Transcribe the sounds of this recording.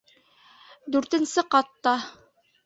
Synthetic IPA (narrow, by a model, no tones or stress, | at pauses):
d̪ʉɾt̪ɘ̆nsɘqɑt̪ːɑ